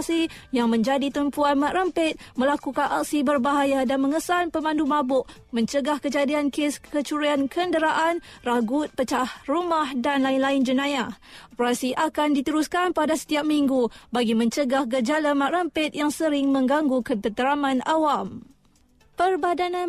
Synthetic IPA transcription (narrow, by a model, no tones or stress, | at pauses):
si | jaŋmə̃ɲd͡ʒadit̪əmpuanmaʔrəmpɪt̪̚mə̃lakukanʔak̚sibərbaɦajadanmə̃ŋəsanpəmãndumabʊʔ | mə̃ɲt͡ʃəɡahkəd͡ʒadiankeskət͡ʃuɾiankʰəndəɾaʔanraɡut̪̚pət͡ʃahrumahdanlaɪnlaɪnd͡ʒənãjaʔɔpəɾasiʔakandit̪əɾuskanpadasə̥t̪iap̚miŋɡubaɡimə̃ɲt͡ʃəɡahɡəd͡ʒalamaʔrəmpɪt̪̚jaŋsəɾɪŋmə̃ŋɡaŋɡukət̪ət̪əɾamãnawam | pərbadanã